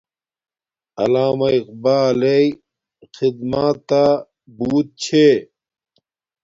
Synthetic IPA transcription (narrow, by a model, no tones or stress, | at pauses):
ɐlaːmɐiqbaːlei | xid̪maːtt̪ːa | buːt̪̚t͡ɕʰe